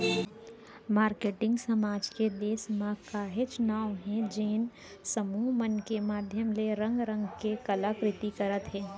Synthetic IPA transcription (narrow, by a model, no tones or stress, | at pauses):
maːɾkeːʈɪ̃ŋɡsɐmaːd͡ʒked̪eːsmãkaːɦet͡ʃʊnaːwɦɛ̃d͡ʒeːn | səmuːɦmənkemaːd̪ʱjəmleɾɐ̃ŋɡɾə̃ŋɡkekɐlakɾɪt̪ikɐɾət̪ɦɛ̃ː